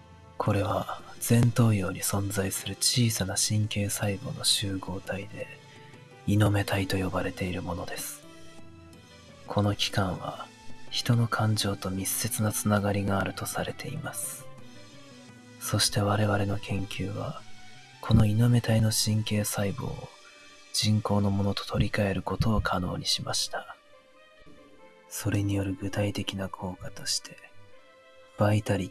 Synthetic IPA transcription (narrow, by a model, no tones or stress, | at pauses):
kʰo̞ɾe̞βad͡zẽ̞nt̪o̞ːjo̞ːɲ̟ʲisõ̞nzaisɨɾɯ̟t͡ɕiːsanaɕĩŋke̞ːsaibo̞̰ːno̞ɕɨːɡo̞ːt̪ʰaid̪e̞ | ino̞me̞t̪ait̪o̞jo̞baɾe̞t̪e̞iɾɯ̟mo̞no̞d̪e̞sɨ̥ | kʰo̞no̞kʲi̥kãɰ̃βa̰ | çi̥t̪o̞no̞kʰãɲ̟d͡ʑo̞ːt̪o̞mʲise̞t͡sɨnat͡sɨnaɡaɾʲiɡaːɾɯ̟t̪o̞saɾe̞t̪ʰe̞ḭmasɨ̥ | so̞ɕi̥t̪e̞βaɾe̞βaɾe̞no̞kʰẽ̞ŋkʲɨːβa̰ | kʰo̞no̞ino̞me̞t̪aino̞ɕĩŋke̞ːsaibo̞̰ː | d͡ʑĩŋko̞ːno̞mo̞no̞t̪ot̪ʰo̞ɾʲikae̞ɾɯ̟ko̞t̪o̞ːkʰano̞̰ːɲ̟iɕimaɕi̥t̪ḁ | so̞ɾe̞ɲ̟ijo̞ɾɯ̟ɡɯ̟t̪ait̪e̞kʲinakʰo̞ːkat̪o̞̥ɕi̥t̪ʰe̞ | b̥ait̪aɾʲi